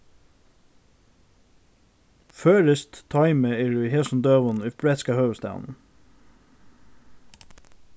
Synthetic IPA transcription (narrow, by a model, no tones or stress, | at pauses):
føːɾəst̪t̪ʰɑɪməɪɹʉhɛsn̩d̪øːʋɔnʉbɹɛt̪skɑhəːst̪a̰ʊ̰n